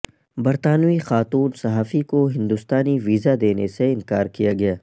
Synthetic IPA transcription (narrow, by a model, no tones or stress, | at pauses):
bɐɾt̪aːnixaːt̪uːnsɐɦaːfikoɦɪ̃nd̪ʊst̪aːniʋiːzad̪eːneseɪ̃nkaːɾkijaɡɐjaː